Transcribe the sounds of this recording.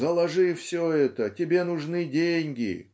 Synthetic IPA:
zəlˠɐʐɨfsʲoɛt̪ətʲɪbʲenʊʐnɨdʲenʲɡʲɪ̰

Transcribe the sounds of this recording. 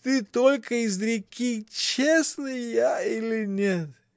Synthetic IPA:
t̪ɨt̪olʲkəizɾekʲit͡ʃesnɨjailinʲet̪

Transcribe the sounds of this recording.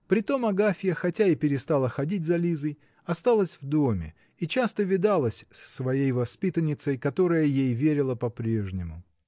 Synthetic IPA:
pɾʲɪt̪o̞mɐɡafʲɪjəxɐtʲaɪpʲɪɾʲɪst̪alˠəxɐdʲit̚ʲzɐlʲizəj | ɐst̪alˠəsʲvd̪o̞mʲɪ̰ | it͡ɕast̪əvʲɪd̪alˠəsʲsːvɐjejvɐspʲit̪ənʲɪt̪səjkɐt̪o̞ɾəjəjejvʲeɾʲɪlˠəpɐpɾʲe̞ʐnʲɪmʊ

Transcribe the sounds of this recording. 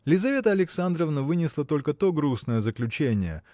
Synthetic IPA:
lʲɪzɐvʲe̞t̪əɐlʲɪksand̪ɾəvnəvɨnʲɪslˠət̪o̞lʲkət̪oɡɾusnəjəzəklʲʉt͡ɕenʲɪjə̰

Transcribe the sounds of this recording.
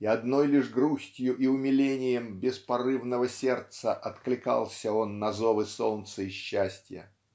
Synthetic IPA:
ɪɐd̪no̞jlʲɪʂɡɾusʲtʲjʊʔiʊmʲɪlʲenʲɪjəmbʲɪspɐrɨvnəvəsʲe̞rt̪səʔɐt̪klʲɪkɑ̰lˠsʲəonːɐzovɨsolnt̪səɪɕːæsʲtʲjə̰

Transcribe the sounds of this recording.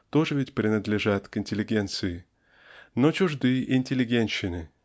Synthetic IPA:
t̪oʐɨvʲɪtʲpɾʲɪnəd̪lʲɪʐat̪kɪnʲtʲɪlʲɪɡʲe̞nt̪sɨɪ | not͡ɕʊʐd̪ɨjəʔɪnʲtʲɪlʲɪɡʲenʲɕːɪnɨ

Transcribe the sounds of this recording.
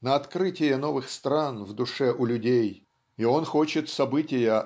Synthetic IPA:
nəɐt̪kɾɨtʲɪjəno̞vɨxst̪ɾanvd̪ʊʂɛʔʊlʲʊdʲej | io̞nxo̞t͡ɕɪt̪sɐbɨtʲɪjə

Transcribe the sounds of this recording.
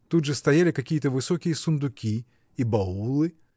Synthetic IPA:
t̪ud̪ʐɨst̪ɐjalʲɪkɐkʲijət̪əvɨsokʲɪjəsʊnd̪ʊkʲi | ibɐulˠɨ

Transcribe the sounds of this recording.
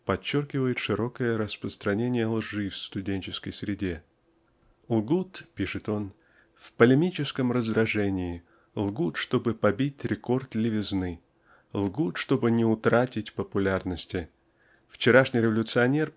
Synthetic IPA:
pɐt͡ɕːorkʲɪvəjɪt̪ʂɨɾo̞kəjəɾəspɾəst̪ɾɐnʲenʲɪjəlˠʐɨfst̪ʊdʲenʲt͡ɕɪskəjsɾʲɪdʲe̞ | lˠɡut̪pʲiʂɨt̪o̞n | fpəlʲɪmʲit͡ɕɪskəmrəzd̪ɾɐʐɛnʲɪːɪ | lˠɡut̪ʂt̪o̞bɨpɐbʲitʲɾʲɪko̞rt̪lʲɪvʲɪznɨ | lˠɡut̪ʂt̪o̞bɨnʲɪʊt̪ɾatʲɪtʲpəpʊlʲarnəsʲtʲɪ | ft͡ɕɪɾaʂnʲɪjɾʲɪvəlʲʊt̪sɨɐnʲe̞r

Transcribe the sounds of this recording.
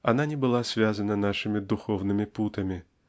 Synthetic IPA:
ananʲɛbɨlˠasʲvʲazɐnɐnaʂɨmʲid̪uxɔwnɨmʲiput̪ɐmʲi

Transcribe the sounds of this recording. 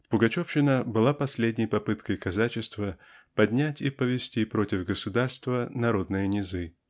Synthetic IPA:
pʊɡɐt͡ɕofɕɪnəbɨlˠapɐsʲlʲedʲnʲɪjpɐpɨt̪kəjkɐzat͡ɕɪst̪vəpɐdʲnʲætʲipəvʲɪsʲtʲipɾo̞tʲɪvɡəsʊd̪arst̪vənɐɾo̞d̪nɨjənʲɪzɨ

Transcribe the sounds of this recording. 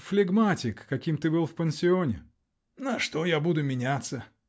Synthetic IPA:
flʲɪɡmatʲɪkːɐkʲimt̪ɨbɨlˠfpʲənʲsʲɪonʲɪ̰ | nɐʂt̪ojabud̪ʊmʲɪnʲat̪sə

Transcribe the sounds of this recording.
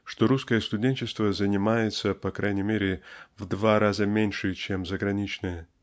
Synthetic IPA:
ʂt̪o̞ɾuskəjəst̪ʊdʲenʲt͡ɕɪst̪vəzənʲɪmajɪt̪səpɐkɾajnʲɪmʲeɾʲɪvd̪vaɾazəmʲenʲʂɨt͡ɕemzəɡɾɐnʲit͡ɕnɨjə

